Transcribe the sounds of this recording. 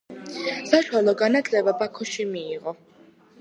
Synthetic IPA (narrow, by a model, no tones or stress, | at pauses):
saʃwalˠɔɡanat̪ʰlɛbabakʰɔʃimiːʁɔ